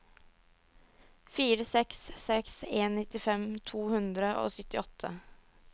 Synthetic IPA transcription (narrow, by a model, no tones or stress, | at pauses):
fiːɾəsɛksːɛkseːnːɪt̪ɪfɛmt̪ʰuːhʉnd̪ɾəʔo̰ːsʏt̪ːɪɔt̪ʰːə